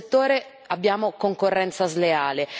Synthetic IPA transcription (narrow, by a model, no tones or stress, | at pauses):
t̪ːoːɾe | abːjaːmokoŋkorːɛnt̪sazleaːle